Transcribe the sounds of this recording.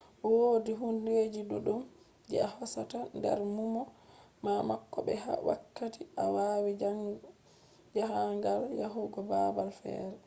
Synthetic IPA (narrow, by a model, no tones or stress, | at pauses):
woːdiɦunded͡ʒiɗuɗum | d͡ʒɛahɔsatandɛ̰ɾmumɔ | mamakːɔbɛɦa̰wa̰kːatiʔawaːwi | d͡ʒahaŋɡaljaɦuɡɔbabalfɛ̰ːɾɛ